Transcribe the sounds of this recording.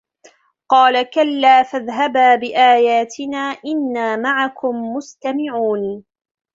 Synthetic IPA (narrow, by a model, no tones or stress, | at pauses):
qɑːlakalːaːfaðɦabaːbɪʔaːjaːt̪ɪnaːʔɪnːaːmaʕakʊmːʊst̪amɪʕuːn